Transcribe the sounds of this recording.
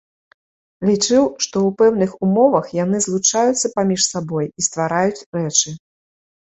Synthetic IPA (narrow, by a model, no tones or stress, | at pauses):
lʲit͡ʂɨwʂt̪ɔwpɛwnɨxumɔvɐxjanɨzlˠut͡ʂajut̪sːɐpamʲiʂsabɔjist̪vaɾajut͡sʲɾɛt͡ʂɨ